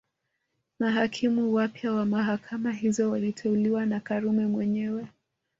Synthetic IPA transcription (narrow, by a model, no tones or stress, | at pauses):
maɦakʰimuwapjawamaɦakʰamaɦizɔwalitʰɛuliwanakaɾumɛmwɛɲɛwɛ